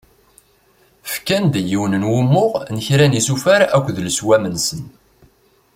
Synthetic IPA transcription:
fkænd̪jiwnənwʊmːʊʁnəçɾænisufæɾækʷːðləswæmənsən

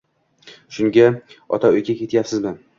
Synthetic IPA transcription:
ʃʊŋɡʲa | ɒ̰t̪ʰaʊjɡʲakʲe̞t̪ʰjapsɪzmɪ

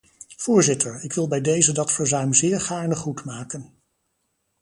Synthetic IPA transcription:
v̥ʊːɹzɪtəɹɪkʋɪlˠbɛjdejzədɑtfəɹzœɥmzɪːɹχaːɹnəχutmaːkən

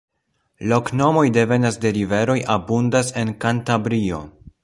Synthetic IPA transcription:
lo̞kno̞mo̞jde̞ve̞nasde̞ɾive̞ɾo̞jʔabundase̞nkantabɾio̞

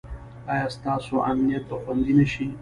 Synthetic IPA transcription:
ɑjɑst̪ɑsoʔamnijat̪̚paxwand̪inəʃi

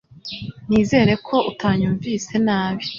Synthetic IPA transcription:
niːze̞ːɾe̞kʰo̞ʔutʰaːɲuːɱvise̞naːβi̥

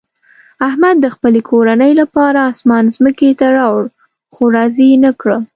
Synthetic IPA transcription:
ahmad̪̚ːəxpəlekʰoɾanəjlapɑɾaːsmɑnzməket̪aɾɑwɽ | xoɾɑzinəkɽə

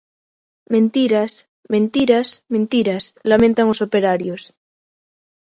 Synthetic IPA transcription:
mẽnt̪iɾas | mẽ̞nt̪iɾasmẽnt̪iɾaslamẽnt̪aŋosopeɾaɾjos

